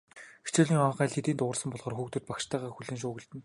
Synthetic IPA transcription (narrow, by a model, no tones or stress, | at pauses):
xe̥t͡ɕʊːɮiːŋɔɴχæːɮt̪ʰet̪iːnt̪ʊʁə̆rsə̆mpɔɮʁɔːrxuːkt̪ɵ̆t̪pakʃt̪æːʁaːxuɮɘ̆nʃ̬ʊːɣɘ̆ɮt̪ɘ̆n